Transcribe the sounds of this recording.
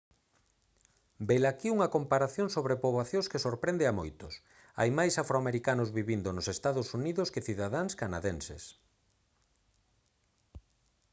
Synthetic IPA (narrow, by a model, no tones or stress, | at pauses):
belakiuŋɐkompaɾaθjoŋsoβɾepoβwaθjõskesoɾpɾend̪eamojt̪ʊs | a̰jmajsafɾoameɾikanʊzβiβind̪onosest̪aðʊsuniðʊskɪθiðaðaŋskanaðensḛs